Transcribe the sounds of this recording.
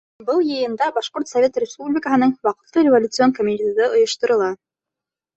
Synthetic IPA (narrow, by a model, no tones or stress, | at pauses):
bɤlˠjɤ̆jɤ̆nd̪ɑbɑʃqoɾt̪sɐvʲet̪rʲɪspublʲɪkəɦɤ̆nɤɴwɑqɤ̆t̪lˠɤɾʲɪvolʲut̪sɨonkomʲit̪ʲed̪ɤʔŏjɤ̆ʃt̪ɤ̆ɾɤ̆lˠɑ